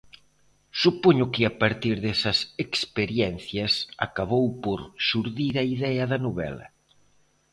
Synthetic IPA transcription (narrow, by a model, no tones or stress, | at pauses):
supoɲʊkɪapaɾt̪iɾðɛsɐsekspeɾjɛn̟θjɐsa̰kaβowpoɾʃuɾðiɾɐiðɛɐðɐnoβɛ̰lɐ̰